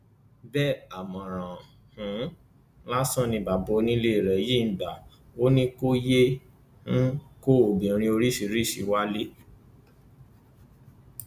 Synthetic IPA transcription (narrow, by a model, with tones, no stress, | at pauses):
bɛ˦˨a˨mɔ̃˨ɾ̃ã˨ | hũ˨˦ | la˦sɔ̃˦˨nĩ˧ba˨bo˧˦nĩ˦le˦i˨ɾɛ˨˦je˦˨n̩˨da˨ | o˦nĩ˦ko˦je˦ | ñ̩˦ko˦o˨bĩ˨˧ɾ̃ĩ˧o˧ɾi˦si˧˦ɾi˦˨ʃi˨˦wa˦le˦